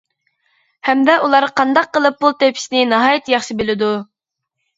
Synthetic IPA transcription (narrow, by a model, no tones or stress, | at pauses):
hɛmd̪ɛʔulˠɑɾqʰɑnd̪ɑqːəlˠɨp̚ːulˠt̪ʰepʰɪ̥snɪnɑɦɑːjɪt̪jɑχʃɨbɪlɪd̪u